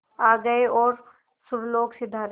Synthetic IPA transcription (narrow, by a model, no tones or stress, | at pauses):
aːɡɐeɔːɾ | sʊɾloːɡsɪd̪ʱaːɾ